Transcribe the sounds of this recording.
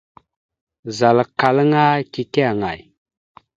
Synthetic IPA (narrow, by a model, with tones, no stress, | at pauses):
za˨lka˨lŋa˦ki˨ke˦a˨ŋa˨j